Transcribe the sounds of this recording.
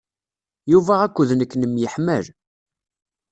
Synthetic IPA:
juvæækʷːuðnəkːnəmjəħməl

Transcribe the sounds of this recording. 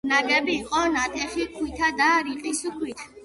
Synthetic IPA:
naɡɛbiːqʼɔnat̪ʼɛχikʰwit̪ʰad̪aɾiqʼisukʰwit̪ʰ

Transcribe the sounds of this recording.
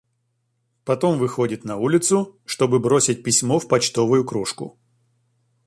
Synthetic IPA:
pɐt̪o̞mvɨxo̞dʲɪt̪nɐulʲɪt̪sʊʂt̪o̞bɨbɾo̞sʲɪt̚ʲpʲɪsʲmofpɐt͡ɕt̪o̞vʊjʊkɾuʂkʊ̰

